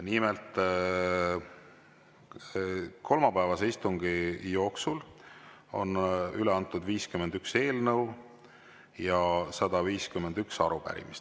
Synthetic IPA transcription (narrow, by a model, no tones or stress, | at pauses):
nimelt̪ˑ | kʰo̞lmɑpævɑseist̪uŋɡ̥ijo̞ːksul | o̞̰nyleɑnt̪ːˑud̪viːskyme̞nd̪ykse̞ːlnɤw | jɑsɑd̪̥ɑviːskymend̪yksɑɾupæ̰ɾḭmist̪